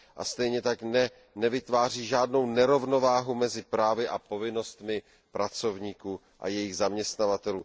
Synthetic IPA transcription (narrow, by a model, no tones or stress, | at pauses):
ʔa̰st̪ɛjɲɛt̪aknɛ | nɛvɪt̪vaːr̝iːʒaːdno̞wnɛɾo̞vno̞vaːɦumɛzɪpɾaːvɪʔapo̞vɪno̞st̪mɪ | pɾat͡so̞vɲiːkuː | ʔa̰jɛjɪɣzamɲɛst̪navat̪ɛluː